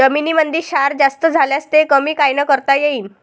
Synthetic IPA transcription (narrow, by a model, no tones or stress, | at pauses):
əminiːmənd̪iːɾɕaɾd͡zast̪əd͡zʱaljast̪ekəmiːkajnəkəɾt̪ajeiːn